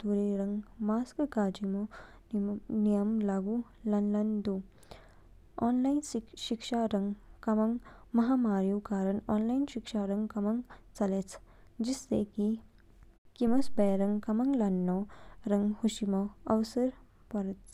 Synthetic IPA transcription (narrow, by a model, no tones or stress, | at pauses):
t̪uɾiɾɐŋɡmaːskkaːd͡ʒimo | nnijɐmlaːɡu | lɐnlɐnd̪u | ɔːnlajnʃikʂaɾɐŋɡkɐmɐŋmɐɦaːmaːɾjukaːɾɐnɔːnlajnʃikʂaɾɐŋɡkɐmɐŋt͡sɐleːt͡sʰ | d͡ʒisːeki | kimɐsbeːɾɐŋɡkɐmɐŋɡlɐnːoːɾɐŋɡhuʃimɔɐʋsɐɾ | pɐɾɐt̪